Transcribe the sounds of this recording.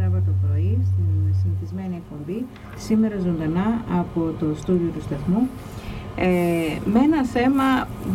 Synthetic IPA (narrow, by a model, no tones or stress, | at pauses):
ɾɐpot̪opɾo̞ist̪isiniθizme̞niek̚po̞mbi | sime̞ɾɐzo̞nd̪ɐnɐɐpo̞t̪o̞st̪uðiot̪ust̪ɐθmu | mee̞nɐθe̞mɐ